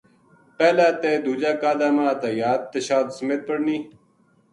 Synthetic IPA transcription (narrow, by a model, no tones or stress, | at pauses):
peːlaːt̪eːd̪ud͡ʑaːkaːd̪aːmaːt̪ajaːd̪̚t̪ːeɕaːt̪smeːt̪̚pəɽniː